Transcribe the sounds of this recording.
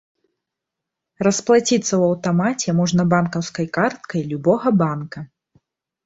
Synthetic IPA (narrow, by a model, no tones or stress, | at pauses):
rɐsplˠat͡sʲit̪sːɐwɐwt̪amat͡sʲɛmɔʐnɐbankɐwskɐjkart̪̚kɐjlʲubɔɣɐbankɐ